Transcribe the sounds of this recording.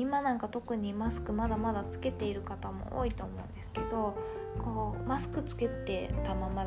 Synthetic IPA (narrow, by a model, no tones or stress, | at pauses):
imanãŋkat̪o̞kɯ̟ɲ̟imasɨ̥kɯ̟mad̪amad̪at͡sɨ̥ke̞t̪e̞iɾɯ̟kat̪amo̰ʔo̰ːit̪o̞ːmo̞ɯ̰̃nd̪e̞sɨ̥ke̞d̪o̞ | ko̞ːmasɨ̥kɯ̟t͡sɨ̥ke̞t̪e̞t̪amama